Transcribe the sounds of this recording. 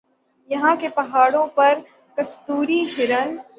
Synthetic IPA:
jɐɦãkepɐɦaːɽõpɐɾ | kɐst̪uːɾiɦɪɾən

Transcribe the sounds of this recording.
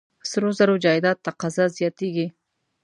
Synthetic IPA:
sɾozaɾod͡ʒɑɪd̪ɑt̪ːaqɑzɑzjɑt̪eɡi

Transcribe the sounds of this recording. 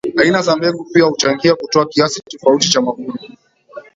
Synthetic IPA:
ainazambɛɡupiahut͡ʃaŋɡiakutɔakiasitɔfautit͡ʃamakuni

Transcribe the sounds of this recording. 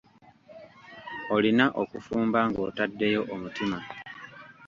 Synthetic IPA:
o̞linaʔokufuːmbaŋɡo̞̰ːtadːe̞jo̞ʔomutima

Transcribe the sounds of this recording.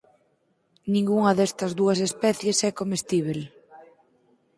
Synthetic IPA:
nĩŋɡuŋɐðɛst̪ɐzðuɐsespɛθjesɛkomest̪iβ̞el

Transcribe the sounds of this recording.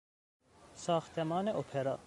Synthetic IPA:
sɑːxt̪ʰemɑːneʔopʰeɾɑ

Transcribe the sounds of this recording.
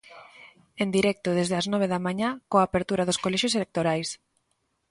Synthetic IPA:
end̪iɾɛk̚t̪ʊðezðeaznɔβ̞eðamãɲakoaːpeɾt̪uɾaðʊskolɛʃoselek̚t̪oɾajs

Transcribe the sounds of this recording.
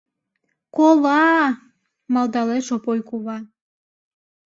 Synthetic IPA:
koβɑ | mɑlˠd̪ɑleʃopojkuβɑ

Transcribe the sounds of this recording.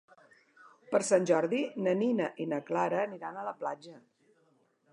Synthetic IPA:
pəɾsanʲʒɔɾðinəninəʔinəklaɾəːniɾanələplad͡ʒə

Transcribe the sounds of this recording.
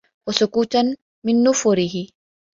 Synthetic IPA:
wasʊkuːt̪an | mɪnːʊfʊɾɪɦɪ

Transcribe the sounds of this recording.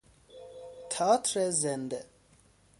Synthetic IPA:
tʰatʰrɛzɛndɛ

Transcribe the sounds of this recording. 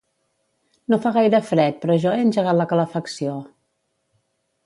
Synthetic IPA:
nofaɣ̞ajɾəfɾɛt̪̚pɾɔːʒɔeənʲʒəɣ̞at̪ləkələfəksio

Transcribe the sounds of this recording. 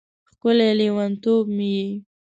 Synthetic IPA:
xkʊleliwant̪obmiji

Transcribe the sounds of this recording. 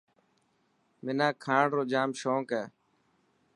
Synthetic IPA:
mɪnãːkʰaːɽɾoːd͡ʒaːmʃoːkɛː

